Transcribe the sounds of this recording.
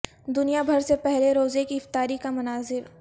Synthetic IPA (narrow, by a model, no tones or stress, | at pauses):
d̪ʊnijabʱɐɾsepɛɦleɾoːzekiɪft̪aːɾikamɐnaːzɪɾ